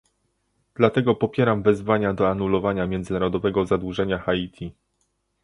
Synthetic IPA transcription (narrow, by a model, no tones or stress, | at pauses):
d̪̥lat̪ɛɡɔpɔpʲjɛɾamvɛzvaɲad̪ɔanulɔvaɲamʲjɛndzɘnaɾɔd̪ɔvɛɡɔzad̪wuʐɛɲaxait̪ʲʰi